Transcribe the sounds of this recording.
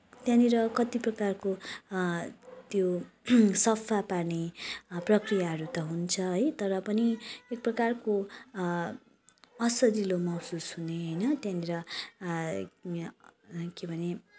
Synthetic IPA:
t̪jãniɾʌkʌt̪iprʌkarko | t̪jo | sʌpʰːaparneprʌkrijaɦʌɾut̪ʌɦunt͡sʰʌɦʌjt̪ʌɾʌpʌniek̚prʌkarko | ʌsʌdilomʌwsusɦuneɦʌjnʌt̪jãniɾʌ | kebʱʌne

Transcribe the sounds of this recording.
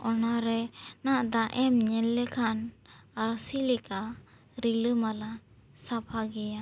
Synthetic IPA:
ɔnaɾɛnaʔd̪aʔɛmɲɛlːɛkʰanaɾsilɛka | ɾiləmala | sapʰaɡɛja

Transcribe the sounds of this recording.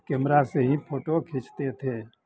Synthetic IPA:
kɛmɾaseɦĩpʰoːʈokʰɪ̃t͡ʃt̪et̪ʰeː

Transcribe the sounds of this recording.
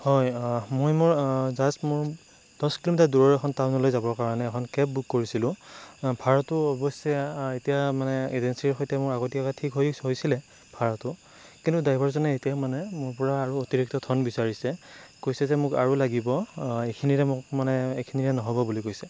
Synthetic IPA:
hɔjmojmʊɹzasmʊɹ | d̥ɔskilomitaduɹɔɹɛkʰɔntawnɔlojzabɔɹkaɹɔnɛːkʰɔnkɛp̚bukːoɹisilʊ̃bʱaɹɔtʊɔbɔsɛetijamanɛezensiɹxojtɛmʊɹaɡotikɔkatʰikɦojsojsilɛ | bʱaɹɔtʊ | kintudajbɔɹzɔnɛetijamanɛmʊɹpɔɹaːɹuotiɹik̚tɔtʰɔnbisaɹisɛkojsɛzɛmʊka̰ɹulaɡibɔekʰiniɹɛmʊkmanɛekʰiniɹɛnɔɦɔbɔbulikojsɛ

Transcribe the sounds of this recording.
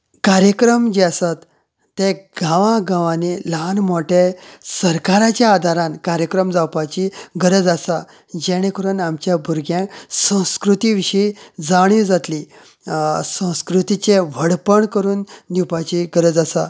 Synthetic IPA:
kaɾjəkɾəmd͡ʑiasat̪ː | eɡ̥ʱãʋãɡãʋãnelanmoʈesəɾkaɾat͡ɕjaːd̪ʱaɾãnkaɾjəkɾəmd͡zawpat͡ɕiɡəɾəd͡zasa | d͡ʑɛɽ̃ekəɾunamt͡ɕjabʱuɾɡjãsə̃w̃skɾut̪iʋiɕijd͡zaɽ̃id͡zat̪li | sə̃w̃skɾut̪it͡ɕeʋ̤əɽpəɳkəɾuːnd̪iwpat͡ɕiɡəɾəd͡zasa

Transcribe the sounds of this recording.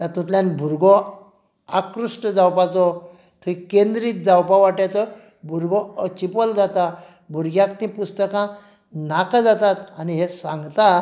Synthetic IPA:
t̪at̪ũt̪ljãnbʱuɾɡɔ | akɾuʂʈəd͡zawpat͡sɔ | t̪ʰuikend̪ɾiːt̪̚d͡zawpaʋaʈjat͡sɔ | bʱuɾɡɔət͡ɕipɔld͡zat̪a | bʱuɾɡjãkt̪ĩpust̪əkã | nakad͡zat̪at̪aniɦesãŋɡt̪a

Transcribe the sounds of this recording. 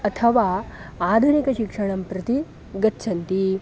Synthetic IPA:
ɐt̪ʰɐʋaːaːd̪ʱunikɐʃikʂɐɳ̃ɐmpɾɐt̪i | ɡɐtːt͡ʃʰɐnt̪i

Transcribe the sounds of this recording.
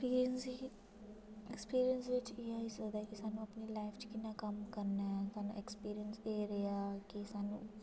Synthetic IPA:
iːɾiənsi | ɛkspiːɾijənsʋɪt͡ʃiːaːisəd̪aːkisaːnũːəpniːlaːɪfʰt͡ʃkɪnːaːkəmkəɾnaːsaːnṵ̃ːɛkspiːɾijənseːɾeaːkisaːnũː

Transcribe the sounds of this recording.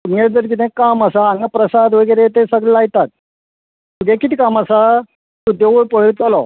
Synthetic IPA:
umeɾd͡zəɾk̬it̪ẽkaməsaːŋɡapɾəsad̪ʋəɡəjɾet̪esəɡɭɛajt̪at̪̚ | t̪ːuɡekit̪ʰikamasa | t̪ud̪eʋuɭpəɽɭit͡salɔ

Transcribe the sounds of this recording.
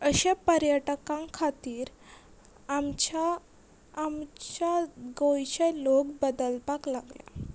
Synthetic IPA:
əɕepəɾjəʈkãŋkʰat̪iːɾ | amt͡ɕaː | mt͡ɕaɡojɕəlokbəd̪əlpaklaɡlja̰

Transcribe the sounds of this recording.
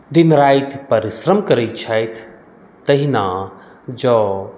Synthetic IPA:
d̪inɾaːjt̪ʰpɐɾisɾɐmkɐɾɐt͡ʃʰajt̪ʰː | ɐɦinaː | d͡ʒɔ

